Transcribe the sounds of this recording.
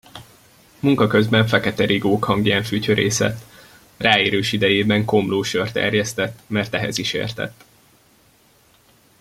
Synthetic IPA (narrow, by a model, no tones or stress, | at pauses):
muŋkɒkøzbɛɱfɛkɛt̪ɛɾiɡoːkhɒŋɡjɛɱfycøɾeːsɛ̰t̪ː | raːeːɾøːʃid̪ɛjeːbɛŋko̞mloːʃørt̪ɛ̰rjɛst̪ɛt̪ːmɛrt̪ɛɦɛ̰ziʃḛːrt̪ɛ̰t̪ː